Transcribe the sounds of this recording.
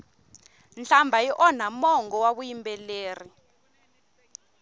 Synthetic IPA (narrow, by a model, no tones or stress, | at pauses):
nɬambʱajiʔɔn̤amɔŋɡɔwaɓujimbɛleːri